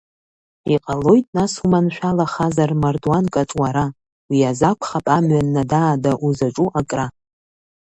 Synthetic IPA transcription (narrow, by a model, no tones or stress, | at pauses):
iqʼalo̞jtʼnasumanʃᶣalaχazarmardwankʼatʼwaɾa | wiazakʷʰχapʼamɥanːadaːdaʔuzaʈ͡ʂʼuʔakʼra